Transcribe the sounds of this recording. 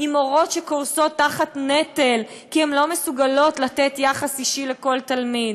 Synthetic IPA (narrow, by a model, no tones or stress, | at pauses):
imo̞ʁo̞tʃekoʁso̞t̪ːaχatnetel | kiemlo̞mesuɡalo̞tlatetjaχasiʃileko̞ltalmid̪